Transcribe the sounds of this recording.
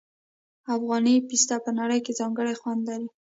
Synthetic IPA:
afɣɑnipist̪apənaɽəjkezɑŋɡəɽajxwand̪laɾi

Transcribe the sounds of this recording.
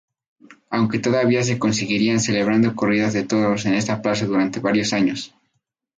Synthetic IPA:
awŋke̞t̪o̞ðaβias̬e̞ko̞nsiɣiɾianse̞le̞β̞ɾand̪o̞ko̞riðazðe̞t̪o̞ðose̞ne̞st̪aplas̬aðuɾant̪e̞βaɾjo̞saɲo̞s

